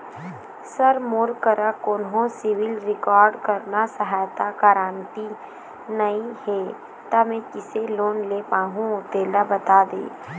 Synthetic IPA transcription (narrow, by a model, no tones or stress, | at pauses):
səɾmoːɾkəɾakoːnɦõsɪʋɪlɾɪkɔːɾɖkəɾnasəɦaːjt̪akaːɾaːnt̪i | nɐĩhɛː | t̪amẽkɪseloːnleːpaːɦũot̪eːlabət̪aːd̪ḛː